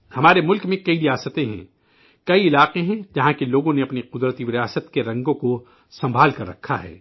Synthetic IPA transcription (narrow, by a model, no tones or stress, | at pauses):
hɐmaːɾemʊlkmẽkɐiɾijaːsət̪ẽɦɛ̰̃ | kɐiɪlaːqeɦɛ̃d͡ʒɐɦãkeloːɡõneɐpniqʊd̪ɾət̪iʋɪɾiaːsət̪keɾɐ̃ŋɡõko | sɐ̃mbʱaːlkɐɾːɐkʰːaɦɛ̰ː